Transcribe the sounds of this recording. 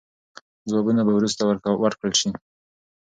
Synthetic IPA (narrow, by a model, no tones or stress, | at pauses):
d͡zwɑbunabawɾust̪awɾwaɾkɽəlʃi